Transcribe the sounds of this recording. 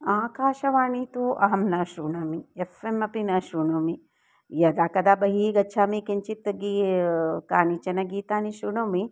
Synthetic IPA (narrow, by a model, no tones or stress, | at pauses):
aːkaːʃɐʋaːnit̪uʔɐɦɐmnɐʃɾuːɳɐmiefemɐpinɐʃuːɳoːmi | jɐd̪aːkɐd̪aːbɐɦiɡɐːt͡ʃʰaːmikeɲt͡ʃit̪ːɐɡi | kaːnit͡ʃɐnɐɡiːt̪aːniʃuːɳoːmi